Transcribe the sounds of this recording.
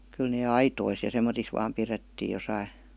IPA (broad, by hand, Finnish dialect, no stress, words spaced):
kyl neː ɑitois jɑ semːotis ʋɑːm piretːiː josɑi